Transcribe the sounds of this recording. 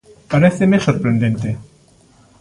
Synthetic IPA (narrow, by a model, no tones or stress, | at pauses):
paɾeθemesoɾpɾend̪ẽnt̪e